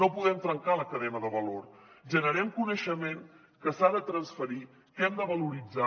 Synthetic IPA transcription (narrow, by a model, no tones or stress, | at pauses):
nopuðɛmt̪ɾəŋkaləkəðɛnəðəβəloɾʒənəɾɛmkunəʃəmen | kəsaðət̪ɾənsfəɾi | kɛmd̪əβəluɾid͡za